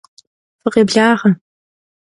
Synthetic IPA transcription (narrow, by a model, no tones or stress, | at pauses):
fɨqeːbɮaːʁɐ